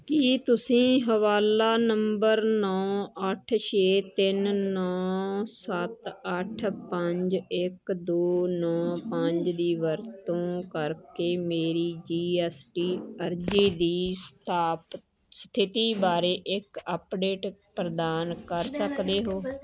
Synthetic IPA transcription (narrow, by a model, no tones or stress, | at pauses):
kit̪ʊsĩːɦəʋaːlaːnəmbəɾnɔːəʈʰʃeːt̪ɪnːɔːsət̪əʈʰpəɲd͡ʒɪkd̪oːnɔ̃ːpəɲd͡ʒd̪iːʋəɾt̪õːkəɾkeːmeːɾiːd͡ʒiːɛːsʈiːəɾd͡ʒiːd̪iːst̪ʰaːpt | st̪ʰɪt̪iːbaːɾeːʔɪkəpɖeːʈpɾəd̪aːnkəɾsəkd̪eːɦoː